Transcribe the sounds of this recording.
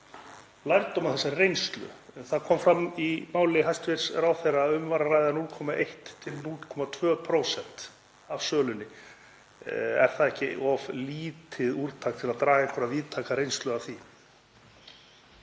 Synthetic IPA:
lajɾt̪ɔwmaθɛsːaɾrejnst̪lʏ̰θaðkʰɔmfɾamimaːwlɪɦajst̪vɪɾ̥sraːwθejraːʏmvaɾarajðanulkʰɔmaʔejht̪t̪ʰɪlnulkʰɔmat̪ʰvœːpʰɾowsɛn̥t̪ | av̥sœːlʏnːɪ | ɛ̰ɾ̥θaðɛhcɪɔvliːt̪ʰɪðuɾt̪ʰaːk̚t̪ʰɪlaðt̪ɾaːɣaɛŋkʰɔɾaðviːðt̪ʰaːkaɾejnst̪lʏaθi

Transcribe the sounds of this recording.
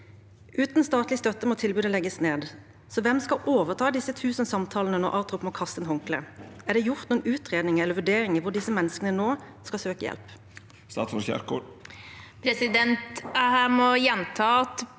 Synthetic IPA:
ʔʉːt̪nst̪ɑːt̪lɪst̪œt̪ːəmɔt̪ʰɪlbʉːd̪əlɛɡːəsneːd̪ | sɔʋɛmskɑʔoːʋəʁt̪ʰɑːd̪ɪsːət̪ʰʉːsənsɑmt̪ʰɑːlnənɔ̰ʔɑːʁt̪ʁʊpmɔkʰɑst̪ənhɔŋklə̰æʁd̪ɛjʊʁt̪nuːənʉːt̪ʁeːd̪nɪŋəɛləɾʋʉɖeːɾɪŋəʋʊɖ̪ɪsəmɛnːəskənənoː | skɑsøːkəjɛ̰lp | st̪ɑ̰ːt̪sɔçæ̰ɾko̰ | pʰɾɛsɪd̪ɛnt̪hæmɔjɛnt̪ʰɑːɑt̪

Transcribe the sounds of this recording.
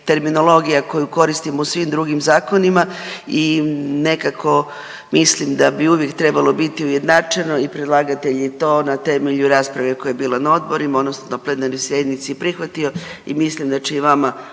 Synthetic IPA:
t̪e̞ɾmino̞lˠo̞ɡijako̞juko̞ɾist̪imousʋimd̪ɾuɡimzaːko̞nimaine̞kakʰo̞ | mislimd̪abiuʋje̞kt̪ɾe̞balo̞bit̪iujed̪nat͡ʃeno̞ipɾed̪lˠaːɡat̪eʎet̪o̞ːnat̪e̞meʎuɾaːspɾaʋe̞kojajebiːlanao̞d̪̚bo̞ɾimaonosonaplˠed̪anojsje̞d̪nit̪sipɾixʋat̪io̞imislimd̪at͡ʃeiʋama

